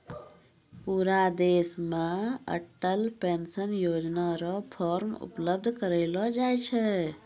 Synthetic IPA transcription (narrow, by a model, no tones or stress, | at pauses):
puɾad̪esmeə̰ʈːəlpensənjoːd͡ʒnaɾɔpʰɔɾmṵpləb̚d̪ʱkəɾəɪlɔd͡ʒajt͡ʃʰɛ